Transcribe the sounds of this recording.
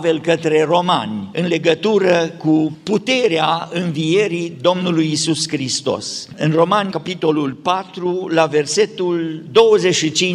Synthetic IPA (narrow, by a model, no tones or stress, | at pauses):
ve̞lkət̪ɾe̞ro̞ma̰nʲɨnle̞ɡət̪uɾəkuput̪e̞ɾeaɨnvije̞ɾid̪o̞mnulujːsuskɾist̪o̞̰sɨnro̞manʲkapit̪o̞lulpat̪ɾulave̞rse̞t̪uld̪o̞wəzeʃit͡ʃi